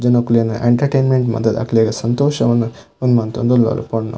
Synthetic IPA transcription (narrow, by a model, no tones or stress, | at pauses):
d͡ʒɐnɐkuljɐnɐʔḛɳʈɐɾʈejnmeɳʈmɐ̰d̪ʱːɐd̪ɐ̰kʰleɡɐsɐnt̪oːʃɐʋɐnːu | ond̪umɐnt̪ond̪ulɐ̰lṵpoɳnːɐ̰